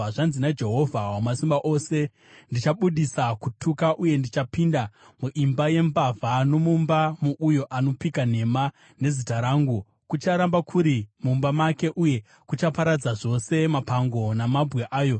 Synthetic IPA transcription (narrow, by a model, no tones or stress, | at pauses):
ʐanzinad͡ʒe̞ɦo̞vʱawamasimbaʔo̞ːse̞ | ndit͡ʃaɓuɗisakutʰukaʔuje̞ndit͡ʃapinda | muʔimbaje̞mbavʱano̞mumbamuʔujo̞ʔano̞pikan̤e̞ma | ne̞zitaɾaːŋɡu | kut͡ʃaɾambakʰuɾimumbamake̞ʔuje̞ | kut͡ʃapaɾad͡zaʐo̞se̞mapaŋɡo̞namabɣeʔaːjo̞